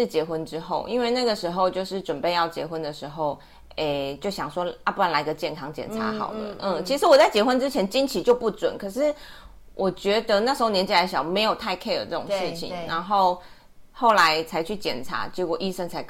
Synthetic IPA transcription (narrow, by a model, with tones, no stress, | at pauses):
ɻ̩˥˩t͡ɕjɛ˧˥xwə˦nʈ͡ʂɻ̩˥xo˥˩ʊʔi˥nwe˥˧na˥˩ɡə˩ʂɻ̩˧˥xo˥˧ʊt͡ɕjo˥˧ʊʂɻ̩˥˩ʈ͡ʂwə˨˩npe˥˧ɪjɑ˥˩ʊt͡ɕjɛ˧˥xwə˦nd̪ə˨ʂɻ̩˧˥xo˥˩ʊ | e˥˩t͡ɕjo˥˩ʊɕjɑ˨˩ŋʂwɔ˥a˥pu˥a˧˩nla˧˥ɪɡə˧t͡ɕjɛ˥˩nkʰɑ˥ŋt͡ɕjɛ̰˨˩nʈ͡ʂʰa̰˧˥˦xɑ̰˨˩ʊd̪ə̰˧˦ʔ̩˥˩t͡ɕʰi˧˥ʂɻ̩˧˥wɔ˨˩t͡sa˥˩ɪt͡ɕjɛ˧˥xwə˥nʈ͡ʂɻ̩˥t͡ɕʰjɛ˧˥nt͡ɕi˥nt͡ɕʰi˧˥t͡ɕjo˥˧ʊpu˥˩t͡swə̰˨˩nkʰɤ˨˩ʂɻ̩˥˩ | wʔɔ˨˩t͡ɕɥɛ˧˥d̪ə˧na˥˩ʂɻ̩˧˥o˥˧ʊnʲɛ˧nt͡ɕi˨˩a˧˥ɪɕjɑ˨˩ʊ˩me˧˥ɪjo˨˩ʊt̪ʰa˥˧ɪkʰe˥˧ɪd̪ə̰˨˩ʈ͡ʂə˥˩ʊ˨˩˧ŋʂɻ̩˥˩t͡ɕʰḭ˨˩ŋna˧˦˥nxo˥˧ʊ | xo˥˩ʊla˧˦ɪt͡sʰa˧˥ɪt͡ɕʰy˥˩t͡ɕjɛ˨˩nʈ͡ʂʰa̰˧˥t͡ɕjɛ˧˥kwɔ˨˩ʔi˥˧ʂə˥˩ŋt͡sʰa˧˥ɪ